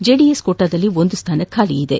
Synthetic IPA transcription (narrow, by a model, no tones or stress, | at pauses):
d͡ʒeːɖijeskoːʈːaːd̪ɐlːiond̪ust̪ʰaːnɐkʰaːliid̪ḛ